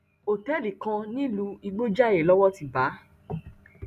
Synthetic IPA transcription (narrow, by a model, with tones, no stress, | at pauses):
o˨tɛ˦li˨kã˧nĩ˦lu˧i˧ɡ͡bo˦d͡ʒa˦˨je˨lɔ˦wɔ˦ti˨ba˨˦